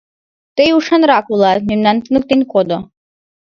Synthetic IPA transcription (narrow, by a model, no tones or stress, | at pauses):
t̪ejuʂanɾakulˠat̪mimnant̪ɨnuk̚t̪inʲkɔd̪ɔ